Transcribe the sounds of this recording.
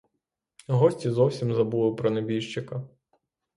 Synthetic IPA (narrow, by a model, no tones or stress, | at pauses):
ɦɔsʲtʲizɔwsʲimzɐbulˠɪpɾɔnebʲijʃt͡ʃɪkɐ